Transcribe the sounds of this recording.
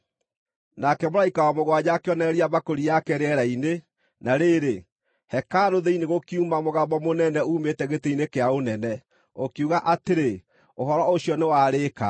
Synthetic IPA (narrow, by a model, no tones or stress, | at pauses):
nakɛmoɾaikawɔmoɣwad͡ʑakeɔnɛɾiabakoɾiakɛɾeɛɾaine | naɾeɾe | hɛkaɾoðeineɣokiumamoɣabɔmonɛnɛuːmetɛɣetɛinekeaonɛnɛ | okiuɣaʔateɾe | oɦɔɾɔoɕiɔnewaːɾeka̰